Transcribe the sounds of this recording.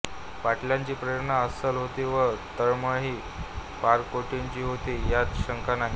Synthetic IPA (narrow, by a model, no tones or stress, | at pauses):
ʋaʈljaɲt͡ɕiːpɾəjəɾnaəsəlɦot̪iʋət̪əɾməɦiː | paɾkoʈeɲt͡ɕiːɦot̪ijat͡sɕəŋkanaɦi